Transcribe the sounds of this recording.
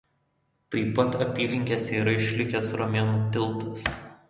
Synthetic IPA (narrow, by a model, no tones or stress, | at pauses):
t̪ɐɪpɐt̪ɐpʲiːlʲɪŋʲkʲesʲiːɾɐɪʃʲlʲɪkʲɛsɾɔmʲeːnuːt̪ʲɪlˠˑt̪ɐs